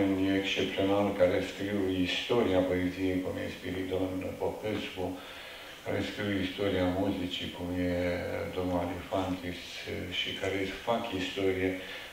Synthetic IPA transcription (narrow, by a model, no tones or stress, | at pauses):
unekst͡ʃep̚t̪sionalkaɾeskɾiwist̪o̞ɾiapoezijejkumjespiɾit̪onpopesku | kaɾeskɾiwist̪o̞ɾiamuzit͡ʃikumjed̪omnad̪ifant̪is | ʃikaɾefakist̪o̞ɾije